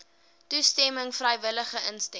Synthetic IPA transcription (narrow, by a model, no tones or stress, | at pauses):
tustɛməŋfrəjvələχəʔənstɛ